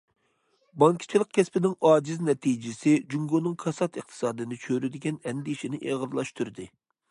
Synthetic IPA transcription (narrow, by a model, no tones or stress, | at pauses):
bɑŋkʲʰi̥t͡ʃʰilˠəq̚kʲʰɛspɪnɪŋɑːd͡ʒɪznɛt̪ʰid͡ʒɪsɪd͡ʒyŋɡonɨŋkʰɑsɑt̪ɨq̚t̪ʰɨ̥sɑːd̪ɨnɨt͡ʃʰøɾyd̪ɪɡʲɛnɛnd̪ɪiʃinɪʔeʁəɾlˠɑʃt̪ʰyɾd̪ɪ